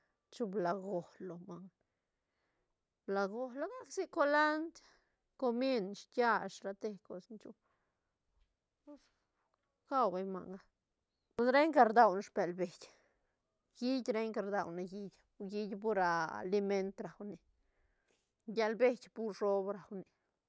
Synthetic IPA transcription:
t͡ʃu˧bla˨ɡo˨hlo˨ma˨ŋ | bla˨ɡo˨˧hlo˧ɡa˦ksi˦ko˦la˦nt̪ | ko˧mje˦nʃtja˦˧ʂɾa˧t̪e˧ko˧snt͡ʃu˧ | pu˦s | ka˦wba˧jma̰˨ŋa˧ | pu˧sɾe˦jŋka˧ɾd̪a˧wnʃpe˨lbe˨jʲ | ɡi˦dʲɾe˦jŋka˧ɾd̪a˧wna˧ɡi˧d̪ʲɡi˦d̪ʲp̬u˦ɾa̰˧li˧me˦nt̪ɾa˨wni˨ | ɡʲa˧lbe˦d̪ʲpu˦ɾʂo˦bɾa˨wni˨

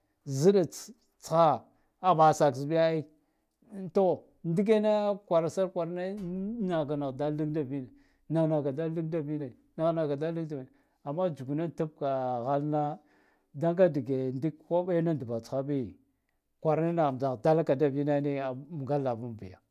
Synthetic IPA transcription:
zi˦da˨ | t͡sxa˦ | a˨ba˨sa˨ksi˨bi˦ja˦i˦ | to˦ | ndi˦ɡ̬e˦na˦kʷa˨ɾa˨sa˦ɾkʷa˨ɾna˦na˨ɡa˨na˨ɣda˦li˦ɡda˦vi˦na˨ | na˨na˨ɡa˨da˦i˦ɡ̚da˦vi˦na˨na˨ɣna˨ɡa˨da˦li˦ɡda˨vi˨n˨ | a˨mːa˦d͡ʒu˨ɡu˨na˦ta˦b̚ka˨ɣa˦lna˦ | da˦ŋɡa˦di˨ɡe˨ndi˦kkʷa˦ɓa˦na˦ndu˨ba˨t͡sxa˦bi˦ | kʷa˨ɾna˦na˨a˨da˦lka˨da˦vi˦na˦ni˦a˨m˨ɡa˦la˨vu˦mbi˨ja˨

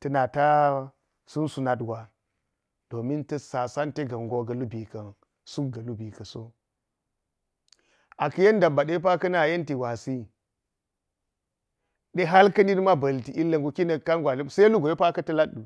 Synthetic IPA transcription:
tɐ˨˦na˨ta˦ | su˦nsu˨na˨tɡʷa˨ | d̥o˨mi˦ntɐ˦sa˨sa˦nte˦ɡɐ˨ŋɡo˨ɡɐ˨lu˦bi˨kɐ˨n | su˦k̚ɡɐ˨lu˦bi˨kɐ˨so˦ | a˨kɐ˦je˦n˦da˨mba˨ɗe˦p̬a˦kɐ˦na˨je˦nti˨ɡʷa˨si˦ | ɗe˦ɦa˦lkɐ˦ni˦n˦ma˦bɐ˨lti˨ʔi˦lːɐ˨ŋɡu˨ki˦nɐ˨ka˦ŋɡʷa˨lsa˦a˦lu˦ɡo˨je˦pa˦kɐ˦tɐ˦laː˦u˨

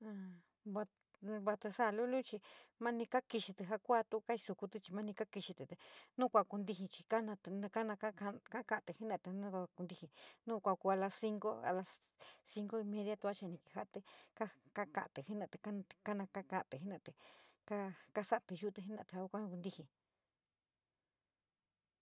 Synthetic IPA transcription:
ã˧˨ | βa˧ | βa˧t̪e˧sa˧˨˧lu˦lũ˦t͡ʃi˧mã˦nĩ˧ka˦ki˧ʃi˧t̪i˧ɦa˦kʷa˦t̪u˦˧ka˦i˧su˧ku˧t̪i˧t͡ʃi˧mã˦nĩ˧ka˦ki˧ʃi˧t̪e˨t̪e˨nũ˦kʷa˧ku˧nd̪i˧hi˧t͡ʃi˧ka˦nã˧t̪ñ˧ka˦nã˧ka˦a˧ka˦ka˧ʔt̪ɨ˨hi˦nã˧˨t̪e˧nũ˦kʷa˧ku˧nd̪i˧hi˧nũ˦kʷa˧ku˧a˧la˧si˦ŋɡo˦a̰˧la˧si˧ŋɡo˦i˧mẽ˧ðja˦t̪u˧˦a˦t͡ʃa˧nĩ˧ki˧˨ha˧˦ʔt̪e˦ka˦ka˦kã̰˧˨ʔa˨t̪e˨hi˦nã˧˨t̪e˧˨kḁ̃˦˧ka˦nã˧ka˦kã˧ʔt̪e˨ɦi˦nã˧˨t̪e˨ka˦ka˦sa˦ʔt̪e˧ʒu˦t̪e˧ɦi˦nã̰˧˨t̪e˧˨a˧kʷa˦˧ku˧nd̪i˧hĩ˨

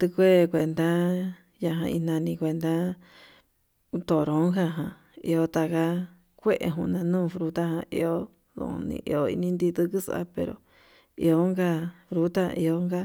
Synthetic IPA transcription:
t̪ɨ˧kʷe˦˧kʷe˧nd̪a˦ | ja˧ɦã̰˧i˧nã˧nĩ˧kʷe˧nd̪a˦˧ | t̪o˨ɾõ˨˦ka˧ɦã˧ | ḭ˧o˦t̪a˧ka˦ | kʷe˦ʔḛ˧ɦũ˧nã˧nũː˦˧fɾu˧t̪a˦hã˧ʔḭ˧o˦ | ðṵ̃˧˨nḭ̃˧ʔḭ˧o˧ḭ˧nĩ˦nd̪i˧t̪ɨ˦kɨ˦sa̰˦pḛ˧ɾo̰˨ | ḭ˧o˧˦ŋɡa˧fɾu˧t̪a̰˦˧ʔi˧o˧ŋɡa˦

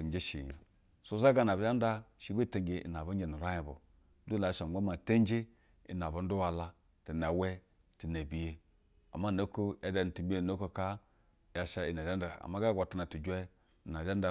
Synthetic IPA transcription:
i˨m˨d͡ʒe˦ʃḭ˨ḭ˨ | su˦za˦ɡa˦˨na˨ba˦n˦da˦ʃi˨˦be˦˨te˨ŋɡe˨ḭ˨n˨a˨bu˦e˨nu˨ɾa˦ji˨bṵ˨˦ | du˦la˨˦ʃa˨m˦o˦ma˨te˦n˦d͡ʒe˦ | ḭ˨n˨a˨bo˨˦n̩˦du˦wa˨la˦ | ti˨n˨a˨we˦ | ti˨na˨bi˨˦je˦ | a̰˨ma˦˨no˦ko˦ja˨˦da˨n˨ti˨bi˦e˦˨no˦ko˦ka˦ | ja˨ʃa˦i˨n˨a˨d͡ʒa˦nda˨a̰˨ma˦ɡa˦ɡʷa˨ta˨na˨tu˨d͡ʒʷe˦˨ | n˨a˨d͡ʒa˦n˦da˨

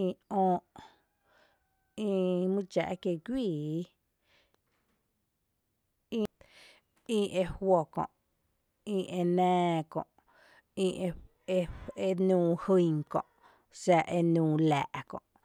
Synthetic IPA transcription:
ĩ˧ɔ̃ː˧ʔ | ĩ˧mɨ̃˦t͡ʃa̰˨ʔkje˧˨kʷiː˦˨˦ | ĩ˦˧ | ĩ˧ʔe˧hwo˧˨kɔ̰̃˨ʔ | ĩ˧ʔe˧nɛ̃ː˧kɔ̰̃˨ʔ | ĩ˧ʔe˧ | e˧e˧nũː˧˨hɨ˧jŋkɔ̰̃˨ʔ | sa˧ʔe˧nũː˧˨la̰ː˨ʔkɔ̰̃˨ʔ

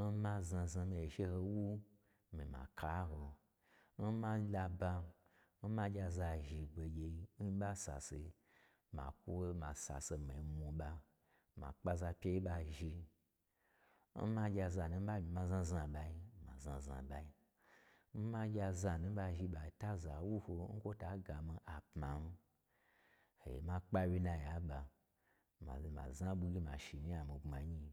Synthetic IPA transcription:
n̩˦ma˧za˧za˧me˨ʃe˧ho˧wu˦ | mi˨ma̰˨kʰa˨˦ɦo˧ | n̩˦ma˧˦la˧ba˧ | n̩˦ma˧d͡ʒʲa˧za˧ʒi˧ɡ͡be˧ɡʲe˧i˧n̩˦ɓa˦sa̰˨sḛ˧ | ma̰˨ku˦ma˨sa̰˨se˧ma̰˨i˨˧mu˧ɓa˧ | ma̰˨k͡pa˧za˧pʲe˧i˦ɓa˧ʒi˧ | m̩˦ma˧ɡʲa˧za˧˨nu˧˦m̩˦ɓa˦mʲi˨˧ma˧zã˦˧za˧ɓa˧ji˦ma̰˨zã˧za̰˨ɓa˧i˦ | m̩˦ma˦ɡʲa˧za˧nu˦ɓa˧ʒi˧˦ɓa˨ta˦za˨wu˦ho˧ŋ̩˦kʷo˦ta˨˦ɡa˨mi˧ʔa˨pma˨n̩˦ | hḛ˨jḛ˨ma˦k͡pa˦wʲi˦na˧ja˨˦ɓa˧ | ma̰˨ma̰˨za˦ɓu˧ɡʲi˦ma˨ʃi˨mi˦ja˨mi˨ŋ͡ma˨ɲi˧

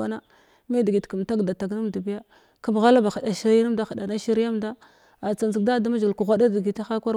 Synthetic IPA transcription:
a˦na˦ | me˦di˨ɡi˨tku˨m˨ta˦ɡda˨ta˨ɡna˦mdu˨bi˦ja˦ | ka˦m˨ɣa˦la˦ba˨xa˨da˨ʃi˦ɾa˦na˦mda˦xa˨da˨na˦ʃi˦ɾi˦a˦mda˦ | a˨t͡sa˨nzi˨ɡ̚da˦da˦ma˦d͡ʒku˨ɣʷa˦da˦di˨ɡi˨ta˦xa˦kʷa˦ɾ

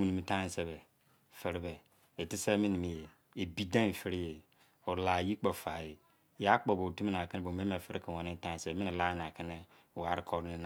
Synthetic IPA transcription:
mu˨ni˨mi˨˦tã˦n˦se˦βɛ˨ | fe˨ɾi˦be˨ | e˨ti˦se˦mi˦ni˨mi˨je˨ | e˨bi˦dã˦n˨fi˦ɾi˦je˨ | o˨ɾla˨ji˦k͡po˨fa˨je˨ | ja˦k͡po˨bo˨ti˦mi˦na˨kɪ˦n˦bo˨me˦e˨fi˦ɾki˨wɔ˨ni˦n˦tã˦n˨se˨be˨mi˦ni˨la˦n˨a˨kɪ˦ne˦˨ | wa˨˦ɾi˦kʰo˦ɾi˦n

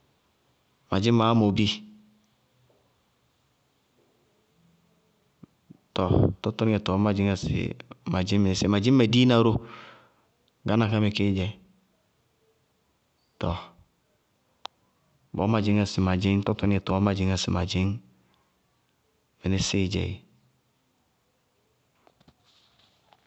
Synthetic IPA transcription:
ma˨d͡ʒi˦m˦ma˨˦mo˨bi˦ | to˨to˦to˦n˦e˨to˨˦ma˨d͡ʒi˦ŋa˨sḭ˨ma˨d͡ʒi˦mme˨e˨˦si˦˨ma˨d͡ʒi˦mː˦e˨di˦na˨ɾo˦ | ɡa˦na˨ka˦me˨ke˦d͡ʒe˨ | tɔ˨ | bo̰˨˦ma˨d͡ʒi˦ŋa˨si˨ma˨d͡ʒi˦ŋto˦to˦e˨to˨o˦ma˨d͡ʒi˦ŋa˨sḭ˨ma̰˨d͡ʒi˦ŋ | mi˨ne˦si˦˨d͡ʒɛ̰˨

